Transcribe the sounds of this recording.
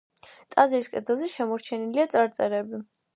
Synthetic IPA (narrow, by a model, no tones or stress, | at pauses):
t̪ʼaziɾiskʼɛd̪ɛlˠzɛʃɛmɔɾt͡ʃʰɛniliat̪sʼaɾt̪sʼɛɾɛbi